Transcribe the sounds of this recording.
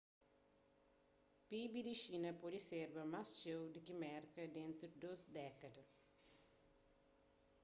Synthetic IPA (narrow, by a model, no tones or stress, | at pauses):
pibid̪iʃinɐpɔdiseɾbɐmast͡ʃewd̪ikimɛɾkɐd̪ẽnt̪udd̪osd̪ɛkɐd̪ɐ